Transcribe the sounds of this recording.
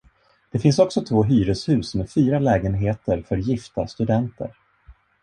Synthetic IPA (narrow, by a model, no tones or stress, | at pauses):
d̪̥ɛfɪnsɔksɔt̪ʰvoːɦyːɾəshʉ̟ːsmɛfyːɾalɛːɡənɦeːt̪əɾfœɾjɪft̪a̰st̪ɵd̪ɛnt̪ə̰ɾ